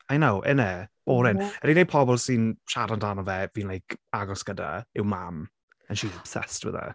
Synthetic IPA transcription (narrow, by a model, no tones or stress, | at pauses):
ajnowʔɛ̰nɛːb̥oːɾɪnəɾinepʰɔbɔlˠsɪnʃaɾandanɔvɛviːnlˠajkʰaɡɔskəda̰ɪwmam | ə̃nʃizəb̥sɛ̰stwɪ̰ðə̰